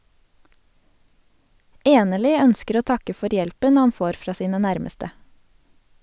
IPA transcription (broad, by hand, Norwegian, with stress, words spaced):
ˈeːnəɭʏ ˈœnskəɾ ˈoː ˈtɑkə ˈfɔɾ ˈjɛlpən ˈhɑn ˈfoːɾ ˈfɹɑː ˈsiːnə ˈnæɾməstə